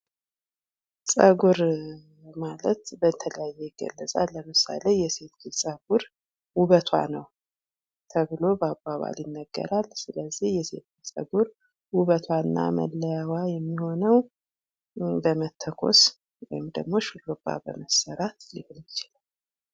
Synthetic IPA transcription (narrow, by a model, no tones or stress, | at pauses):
sʼəɡuɾ | malət̪bət̪ʰələjajːejɪɡə̰lːəsʼalːəmɨsa̰le̞jɛse̞t̪ɡɨlsʼəɡuɾ | wuβət̪ʰwa̰nəw | t̪ʰəβɨlo̞bəabːaβa̰ljɪnːəɡːə̰ɾalsɨləzːihjɛse̞̰t̪̚ɡɨlsʼə̰ɡuɾ | wuβət̪ʰwanːa̰mə̰lːəjawajɛmːiho̞nəw | bəmət̪ʰːəkʰo̞̰s | wɔ̰jɪmd̪əɡmo̞ʃulopʼːa̰bə̰məsəɾat̪jɪhuljɪt͡ʃɪlal